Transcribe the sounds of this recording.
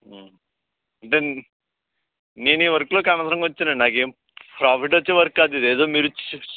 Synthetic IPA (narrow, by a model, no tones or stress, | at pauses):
ɐɳʈe | neːniːʋɐɾkloːkaːmɐsɾɐŋɡʋɐt͡ʃːinenaːɡe | pɾaːpʰiʈɐt͡ʃːeʋɐɾkaːd̪id̪eːd̪oːmiːɾut͡ʃ